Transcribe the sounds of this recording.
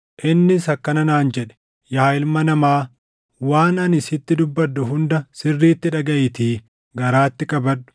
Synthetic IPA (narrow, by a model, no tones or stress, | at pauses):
ʔɪnːɪsɐkːɐnɐnaːnd͡ʒɛᶑɛ̥ | jaːjɪlmɐnɐmaː | waːnɐnɪsɪt̪ːɪd̪ʊbːɐd̪ːʊɦʊnd̪ɐsɪrːiːt̪ːɪᶑɐɡɐʔɪt̪iː | ɡɐɾaːt̪ːɪkʼɐbɐd̪ːʊ̥